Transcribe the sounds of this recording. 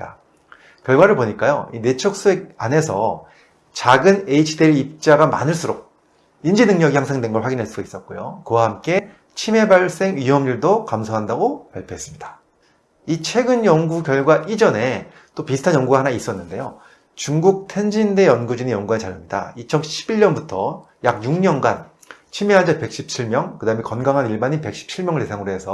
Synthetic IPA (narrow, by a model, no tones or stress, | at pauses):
a | kjʌɭɡwaɾɯɭpoɲik͈ajo̰ine̞t͡ɕʰʌk̚s͈uek̚ane̞sʰʌ | t͡ɕaɡɯne̞it͡ɕʰideɾip̚t͡ɕ͈aɡama̰nɯɭs͈uɾok̚ | ind͡ʑinɯŋɲʌɡihjaŋsʰeŋdwe̞nɡʌɭɸwaɡinɦaɭs͈uɡais͈ʌt̚k͈ojokɯwahamk͈e̞ | t͡ɕʰime̞baɭs͈e̞ŋɥiɦʌmɲuɭdokamsʰoɦandaɡopa̰ɭpʰjoɦes͈ɯmɲidḁ | it͡ɕʰwe̞ɡɯnjʌŋɡukjʌɭɡwaʔid͡ʑʌne̞ | t͈opisʰɯ̥tʰanjʌŋɡuɡahanais͈ʌnːɯnde̞jo | t͡ɕuŋɡuk̚tʰe̞nd͡ʑinde̞jʌnɡud͡ʑinejʌŋɡuant͡ɕaɭːamɲida̰it͡ɕʰʌnɕʰibiɭɲʌnbutʰʌ | jak̚juŋɲʌnɡan | t͡ɕʰimeɦand͡ʑape̞k̚ɕ͈ʰip̚t͡ɕʰiɭmjʌŋkɯdaɯmekʌnɡaŋɦaniɭbaɲinpe̞k̚ɕ͈ʰi̥p̚t͡ɕʰiɭmjʌŋɯɭte̞sʰaŋɯɾoɦe̞sʰʌ